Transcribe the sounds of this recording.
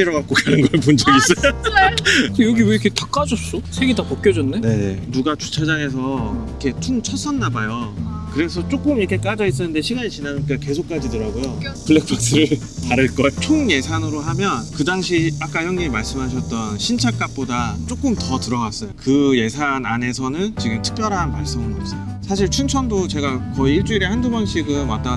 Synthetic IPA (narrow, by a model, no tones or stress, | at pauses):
iɾʌɡak͈okanɯnɡʌpond͡ʑʌɡis͈ʌjo | jʌɡiwekʰetak͈ad͡ʑʌs͈osʰeɡetapok͈jʌd͡ʑʌnːene̞nuɡat͡ɕu̥t͡ɕʰad͡ʑaŋe̞s̬ʰʌikʰe̞tʰunt͡ɕʰʌs͈ʌnːabajokɯɾe̞sʰʌt͡ɕ͈ok͈ɯmiɾʌkʰek͈ad͡ʑʌis̬͈ʌnːɯnde̞ɕʰiɡaɲit͡ɕinanɲik͈ake̞sʰok̚k͈ad͡ʑidɯɾaɡojopɯɭːek̚pʰak̚s͈ɯɾɯɭ | taɾɯɭk͈ʌot͡ɕʰoŋje̞sʰanɯɾoɦamjʌnkɯdaŋɕʰiak͈ajʌŋɲiɾmaɭs͈ɯmɦaɕ̬ʰʌt̚t͈ʌnɕʰint͡ɕʰak͈ap̚p͈odat͡ɕ͈ok͈ɯmtʌtɯɾʌɡas͈ʌjokɯje̞sʰanane̞sʰʌnɯnt͡ɕiɡɯmtʰɯ̥k̚pjʌɾɦanmaɭs͈omɯnʌs͈ʌjosʰaɕ̬ʰiɭt͡ɕʰunt͡ɕʰʌndot͡ɕe̞ɡakʌiiɭt͡ɕ͈uiɾehandubanɕʰiɡɯnwat͈ʌn